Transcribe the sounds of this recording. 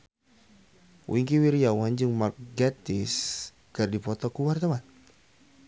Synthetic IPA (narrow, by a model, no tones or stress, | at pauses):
wʔiŋkiwiɾijawand͡ʒɨŋmarɡat̪ɪs | kɨrdipɔt̪ɔkuwart̪awan